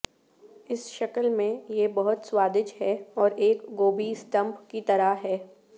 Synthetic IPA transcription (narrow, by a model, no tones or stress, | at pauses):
ɪsʃɐkəlmẽjebɐɦʊt̪swaːd̪ɪt͡ʃɦɛɔːɾeːkɡoːbisʈə̃mpkit̪ɐɾaɦɛː